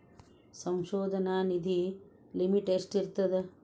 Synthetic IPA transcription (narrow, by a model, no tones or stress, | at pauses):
sɐ̃mʃoːd̪ʱɐnaːnid̪ʱi | limiʈeʂʈiɾt̪ɐd̪e